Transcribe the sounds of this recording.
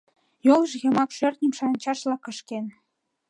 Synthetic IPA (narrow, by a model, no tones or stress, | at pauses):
jolˠʒɣɑmɑkʃø̆rt̪nʲimʃɑnʲt͡ɕɑʃlɑkə̆ʃken